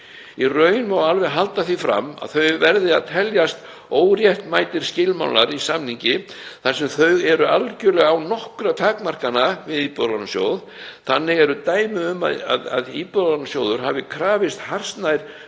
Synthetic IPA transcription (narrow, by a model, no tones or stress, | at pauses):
irœːɥjɪnmawalvɛɣɦalt̪aθifɾa̰mːa̰ðθœɥvɛɾðɪaðt̪ʰɛljast̪ | oːwɾjɛht̪maːjt̪ɪɾ̥scɪlma̰wnaɾisamniɲcɪθarsɛmθœɥɣɛɾʏalcʏlɛɣawnɔhkɾat̪ʰaːkmar̥kanavɪðiːpʏlansjo̰ːwð | θanːɪɣɛɾʏt̪aːjmɪʏma̰a̰ða̰ðiːpœðansjowðʏɾɦaːvɪkʰɾaːvɪst̪har̥st̪najɾ̥